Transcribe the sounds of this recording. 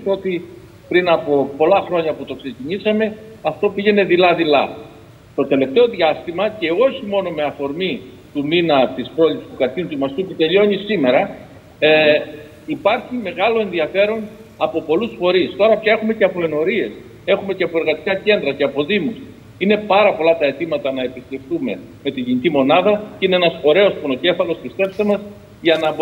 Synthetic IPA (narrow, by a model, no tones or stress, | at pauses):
t̪o̞t̪i | pɾinɐpo̞po̞lɐxɾo̞ɲɐput̪o̞kse̞ciɲisɐme̞ɐft̪o̞piʝe̞ne̞ðilɐðilɐ̰ | st̪o̞t̪e̞le̞ft̪e̞o̞ðʝɐst̪imɐce̞o̞çimo̞no̞me̞ɐfo̞ɾmi | t̪uminɐt̪ispɾo̞lipsi̥spukɐɾiunt̪uimɐst̪uput̪e̞ʎo̞ɲisime̞ɾɐ | ipɐɾçime̞ɣɐlo̞e̞nðiɐfe̞ɾo̞n | ɐpo̞po̞lusfo̞ɾist̪o̞ɾɐpçɐe̞xume̞ce̞ɐpo̞e̞no̞ɾie̞s | e̞xumeceɐpo̞e̞ɾɣɐt̪i̥kɐce̞nd̪ɾɐceɐpo̞ðimus | ine̞pɐɾɐpo̞lɐt̪ɐe̞t̪imɐt̪ɐnɐe̞pist̪e̞ft̪ume̞ | me̞t̪iʝinicimo̞nɐðɐcine̞enɐso̞ɾe̞o̞spono̞ce̞fɐlo̞spist̪e̞pst̪emɐs | ʝɐnɐb